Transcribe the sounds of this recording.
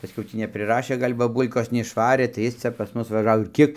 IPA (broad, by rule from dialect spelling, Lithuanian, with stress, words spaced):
pɐsʲˈkʲɛʊ ˈtʲiː nʲɛpʲrʲɪˈrɑːʃʲeː ˈɡɐlʲ bɐˈbuːlˠkoːs nʲɛɪʃˈʋɑːrʲeː tɐɪ ˈjɪs ˈt͡sʲɛ pɐs ˈmʊs ʋɐˈʒɑːʋoː ɪr ˈkʲiɛk